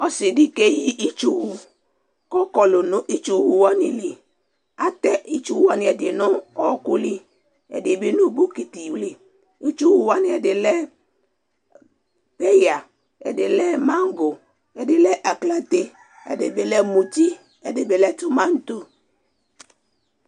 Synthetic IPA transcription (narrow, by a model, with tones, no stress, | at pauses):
ɔ˦sɪ˨dɪ˦ke˦ji˦ʔi˦t͡ʃu˨wu˦ | kɔ˦kɔ˨lʊ˨nʊ̃˦ʔi˦t͡ʃu˨˦wu˨wɔ˦nɪ̰˨li˨ | a˨t̪ɛ˦ʔi˦t͡ʃu˨wu˦wa˨nɪ̃˨ɛ˨dɪ˨nʊ̃˦ɔ˦ku˦li˦ | ɛ̰˨dɪ˨bɪ˦nu˦bu˦ki˨t̪i˨wli˦ | i˦t͡ʃu˦wu˨wa˦nɪ̃˨ɛ˨dɪ˨lɛ˦ | pe˦ja˨ | ɛ̰˨dɪ˨lɛ˦mã˦ŋ˦ɡo˨ | ɛ˨dɪ˨lɛ˦ʔa˨kla˦t̪e˦ | ɛ̰˨de˨be˨lɛ˦mu˨ti˦ | ɛ˨de˨be˨lɛ˦tʊ˦mã˦n̩˦t̪o˦